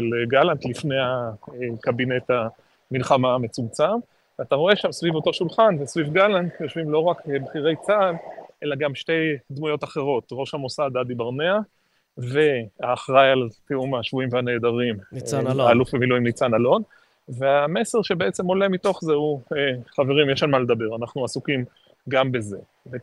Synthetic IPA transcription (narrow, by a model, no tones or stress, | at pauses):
eleɡalant̪lifne̞jhaekabine̞ta | milχamame̞t͡sumt͡sam | veataʁoe̞ʃamsvivot̪o̞ʃulχanvesvivɡalantjoʃvimlo̞ʁakbχiʁe̞jt͡sadʔelaɡamʃte̞jd̪mujo̞taχe̞ʁo̞tʁo̞ʃhamo̞sad̪adibaʁnea | ve̞aːχʁajaltiumaʃvuimveane̞ːd̪aʁimaːlufvemiluimlit͡sanalo̞n | ve̞ame̞se̞ʁʃe̞be̞ʔet͡se̞mo̞le̞mito̞χzeueχave̞ʁimjeʃanmaled̪abe̞ʁanaχnuasukim | ɡambe̞ze̞ | ve